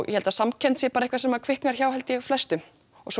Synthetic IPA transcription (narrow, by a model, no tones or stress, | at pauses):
wjɛ̰hɛlt̪asamcʰɛnsjɛpaːɾehkvasɛmakʰvɪhknaɾ̥çawɦɛlt̪ɪɣflɛst̪ʏ | ɔ̰sɔ